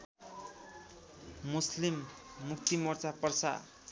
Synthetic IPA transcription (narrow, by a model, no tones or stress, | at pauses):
muslimːuk̚t̪imʌrt͡sapʌrsa̰